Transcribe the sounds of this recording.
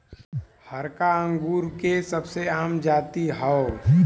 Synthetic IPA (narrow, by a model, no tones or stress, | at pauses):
həɾkaə̃ŋɡuːɾkesəbseaːmd͡ʒaːt̪iɦɔo